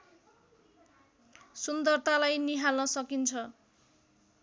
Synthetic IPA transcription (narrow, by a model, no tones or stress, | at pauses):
sund̪ʌrt̪alajniɦalnʌsʌkint͡sʰʌ